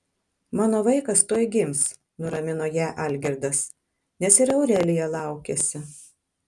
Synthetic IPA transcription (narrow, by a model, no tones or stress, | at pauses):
mɑːnoːʋɐɪkɐst̪uɔjɡʲɪms | nʊɾɐmʲɪnoːjæːʔɑˑlʲɡʲɪɾd̪ɐs | nʲɛsɪɾɐʊɾʲɛlʲɪjɛlˠɑˑʊkʲɛsʲɪ